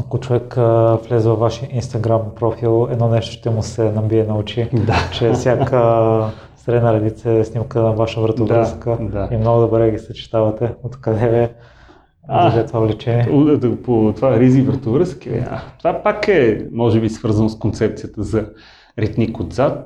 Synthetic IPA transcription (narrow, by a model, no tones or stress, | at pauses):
ɐkʊt͡ʃovɛkflɛzɛvɐvːaʃiʔinst̪ɐɡɾampɾɔfilˠɛd̪nɔnɛʃt̪o̥ʃt̪ɛmusɛnɐbiɛnɐut͡ʃid̪at͡ʃɛsʲjakə | st̪ɾɛnəɾɛd̪it̪sɛsnimkənɐvaʃəvɾət̪ovɾəskəd̪aimnoɡʊd̪obɾɛɡʲisɐt͡ʃi̥t̪avɐt̪ɛot̪kɐd̪ɛvɛ | zd̪ɛt̪vavlɛt͡ʃɛnʲɛud̪pot̪vaɾizivɾət̪ovɾəskivḭa̰t̪ovapakɛmɔʒɛbisvɤɾzənoskont̪sɛp̚t̪sijət̪əzɐ | ɾɛt̪nikod̪zat̪